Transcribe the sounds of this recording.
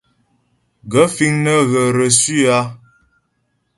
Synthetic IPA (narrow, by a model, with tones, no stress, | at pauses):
ɡə˨˦fi˦ŋnə˦ɣə˨ɾə˨si˦a˦